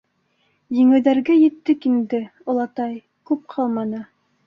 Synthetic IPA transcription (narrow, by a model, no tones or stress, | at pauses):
jɘ̆ŋɘ̆ðæɾɡæjɘ̆t̪ːɘkind̪ɘŏlˠɑt̪ɑj | kʉp̚qʰɑlˠmɑnɤ